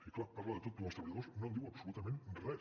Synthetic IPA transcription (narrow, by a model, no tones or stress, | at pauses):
iklapaɾləðət̪ot̪̚umst̪ɾəβəʎəðosnõnd̪iwəpsulut̪əmẽnrɛ